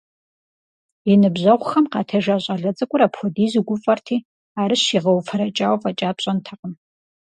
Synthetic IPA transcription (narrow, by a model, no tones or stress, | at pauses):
jɪnɨbʑɐʁʷxɐmqɑːtʰɐʒaːɕʼɐɮɐt͡sʼɐkʷʼʊɾaːpxʷɔdiːzɨɡʷʊfʼɐrtʰiː | aːɾɨɕiʁɐwfʰɐɾɐt͡ʃʼaːwfʼɐt͡ʃʼaːpɕʼɐntʰɐqəm